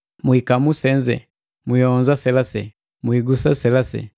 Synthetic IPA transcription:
muikamusɛnzɛ̰ | mujɔnzasɛlasɛ̰ | muiɡusasɛlasɛ̰

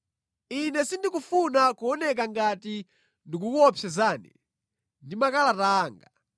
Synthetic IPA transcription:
inɛsindikufunakuɔnɛk̬aŋɡati | ndik̬ukuɔpʰɛzaːnḭ | ndimakalataːŋɡa

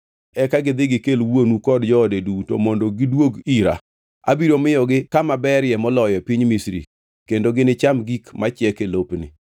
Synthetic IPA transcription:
ɛkaɡɪd̪ɪɡɪkelwonukɔdd͡ʒɔdeduto̰mɔndɔɡɪdwoɡiɾa̰ | a̰biɾomɪjɔɡɪkamabɛɾjɛmɔlɔjɔpiɲmisɾḭ | kendoɡɪnɪt͡ʃamɡikmat͡ʃjɛkelopnɪ̰

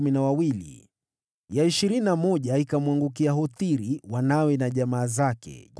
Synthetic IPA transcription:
minawawilḭ | jaiʃiɾininamɔʄaikamwaŋɡuk̬iaɦɔtiɾiwanawɛnaʄamaːzakɛ̰k

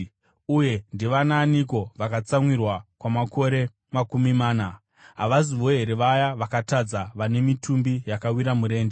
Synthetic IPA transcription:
uje̞ndiʋanaːniko̞ʋakat͡samwirwakwamako̞ɾe̞ | makumimaːna | ɦaʋaziʋo̞ɦe̞ɾe̞ʋajaʋakatad͡zaʋane̞mitʰumbijakawiɾamuɾe̞ːnde

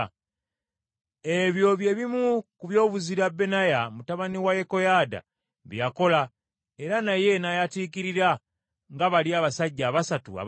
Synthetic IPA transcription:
eβjo̞βje̞βimukuβjo̞ːβuziɾabːe̞najamutaβaniwaje̞ko̞jada̰ | βj̰jako̞la | e̞ɾanaje̞najatiːkiɾiɾa | ŋɡaβaliaːβasaɟːaːβasatṵa̰

